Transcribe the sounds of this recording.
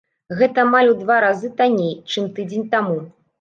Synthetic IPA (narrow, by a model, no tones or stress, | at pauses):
ɣɛt̪ɐmalʲud̪vaɾazɨt̪anʲejt͡ʂɨmt̪ɨd͡zʲenʲt̪amu